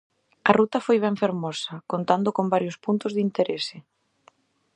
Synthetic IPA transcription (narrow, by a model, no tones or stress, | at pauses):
ɐrut̪ɐfojβ̞ɛɱfeɾmɔsɐkont̪and̪ʊkombaɾjʊspunt̪ʊzðint̪eɾesɪ